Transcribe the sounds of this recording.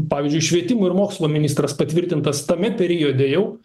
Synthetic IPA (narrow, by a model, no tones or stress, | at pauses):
pɑːʋʲizʲd͡ʒʲʊɪʃʲʋʲiɛt̪ʲɪmʊɪɾmoːkslˠuːmʲɪnʲɪst̪ɾɐspɐt̪ʲʋʲɪɾʲt̪ʲɪnt̪ɐst̪ɐmʲɛpʲɛɾʲiod̪ʲɛjɛʊ